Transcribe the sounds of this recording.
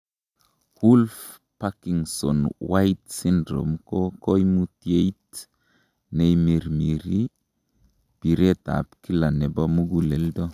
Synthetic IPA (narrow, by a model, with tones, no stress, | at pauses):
hu˦lf | pa˦ki˨ŋsɔ̰˨nwa˦jtsi˦ndɾo̰˨mkoko˦jmu˦tje˦jt | ne˨jmi˨ɾmi˨ɾi˦ | b̥i˨ɾe˦ta̰˨pki˦la˨ne˨ba˦mu˦ɡu˦le˨ldo˦